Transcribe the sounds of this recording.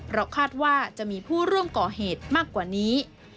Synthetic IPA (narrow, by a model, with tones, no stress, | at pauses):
pʰɾɔ˦˥kʰaː˥˩t̪̚waː˥˩t͡ɕa˨˩ʔmiː˧pʰuː˥˩ɾu˥˩əmkɔː˨˩ɦeː˨˩t̪̚maː˥˩kːwaː˨˩niː˦˥